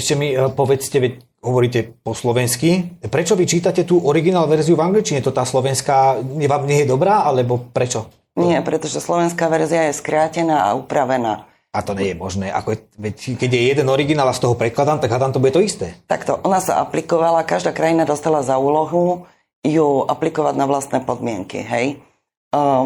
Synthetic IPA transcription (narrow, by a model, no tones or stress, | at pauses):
ɛʃcɛmipɔʋɛt͡scɛʋɛc | ɦɔʋɔɾiːcɛpɔslɔʋɛnskipɾɛt͡ʃɔʋit͡ʃiːt̪acɛt̪uːʔɔɾiɡinaːlʋɛɾziuvaŋɡlit͡ʃiɲɛt̪ɔt̪aːslɔʋɛnskaːɲɛʋaːmɲɪɛjɛd̪ɔbɾaːalɛbɔpɾɛt͡ʃɔ | ɲɪɛpɾɛt̪ɔʒɛslɔʋɛnskaːʋɛɾziajɛskɾaːcɛnaːa̰upɾaʋɛna̰ː | at̪ɔɲɛjɛmɔʒnɛːʔa̰kɔɛʋɛckɛɟjɛjɛd̪ɛnɔɾiɡinaːlast̪ɔɦɔpɾɛtklad̪aːmt̪aɡɦad̪aːmt̪ɔbuɟɛt̪ɔist̪ɛːt̪a̰kt̪ɔʔɔnasa̰ʔa̰plikɔʋalakaʒd̪aːkɾajinad̪ɔst̪alazauːlɔɦu | juʔaplikɔʋaɟnaʋlast̪nɛːpɔd̪mɪɛŋkḭɦɛj